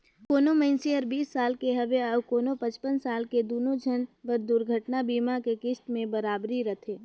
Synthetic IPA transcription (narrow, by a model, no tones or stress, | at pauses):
koːnoməɪnseəɾbiːsːaːlkeɦɐʋeaʊkoːnopɐ̃t͡ʃpənsaːlked̪oːnod͡ʒʱənʋəɾd̪ʊɾɡʱəʈnabiːmakekɪʃt̪mẽbəɾaːbɾiɾɐt̪ʰeː